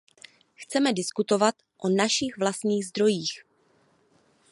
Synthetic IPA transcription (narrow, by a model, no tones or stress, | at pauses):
xt͡sɛmɛdɪskut̪o̞vat̪ | ʔonaʃɪxvlast̪ɲiːɣzd̪ɾo̞jiːx